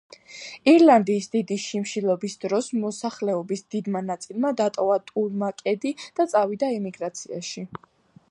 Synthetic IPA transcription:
iɾlˠand̪iːsd̪̥id̪iʃimʃilˠɔbisd̪ɾɔsmɔsaχlɛɔbisd̪id̪manat̪sʼilˠmad̪at̪ʼɔvat̪ʼulmakʼɛd̪id̪̥at̪sʼavid̪aɛmiɡɾat̪sʰia̰ʃi

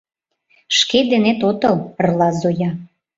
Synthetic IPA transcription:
ʃked̪enet̪ot̪ɤlrlɑzojɑ

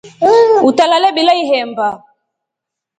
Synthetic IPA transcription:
utalalɛbilaiɦɛmba

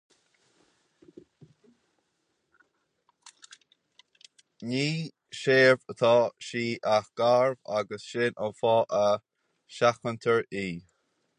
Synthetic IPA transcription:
niː | ʃeːvət̪ʰɑːʃiːʔaxɡ̥aɹva̰ɡəsʃɪnʔənfɑːʔə | ʃaxənt̪ʰəɹiː

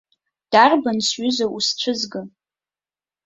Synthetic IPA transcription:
d̥arbansɥʏzausʈ͡ʂʷʰɨzɡɨ

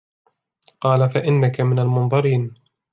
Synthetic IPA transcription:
qɑːlafaʔɪnːakamɪnalmʊnðˤɑɾiːn

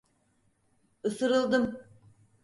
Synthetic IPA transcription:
ɯsɯɾɯlˠd̪ɯm

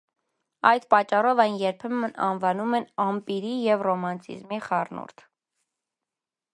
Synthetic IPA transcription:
ɑjd̪pɑt͡ʃːɑrɔvɑjnjɛɾpʰɛmənɑnvɑnumɛnɑmpiɾijɛvrɔmɑnt͡sʰḭzmiχɑrnṵɾt̪ʰ

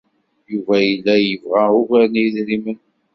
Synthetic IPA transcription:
juvæjəlːæjəvʁæʊkænðɾimən

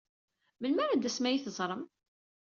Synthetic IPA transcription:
mənməɾad̪æsmæjiθəzˤɾˤəm

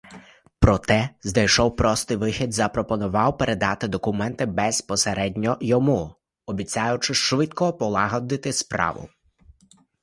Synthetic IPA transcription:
pɾɔt̪ɛzd̪ɐjʃɔwpɾɔst̪ɨjʋɪxʲid̪zɐpɾɔpɔnʊʋɑwpeɾʔed̪ɑt̪ɪd̪ɔkʊmɛnt̪ɪbɛspɔseɾɛdʲnʲɔjɔmu | ɔbʲit͡sʲajʊt͡ʃɪʃʋɪt̪kɔpɔlˠɑɦɔd̪ɪt̪ɪspɾɑ̰ʋʊ̰

